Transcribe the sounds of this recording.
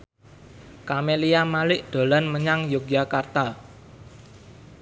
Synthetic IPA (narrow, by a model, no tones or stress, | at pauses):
kameliamalɪʔd̪̥o̤lanməɲaŋjoɡjakart̪a